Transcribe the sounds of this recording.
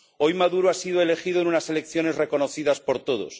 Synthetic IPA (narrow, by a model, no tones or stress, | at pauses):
o̞jmaðuɾoasiðoele̞xiðoenunase̞le̞kθjo̞ne̞zre̞ko̞noθiðaspo̞ɾt̪o̞ð̞o̰s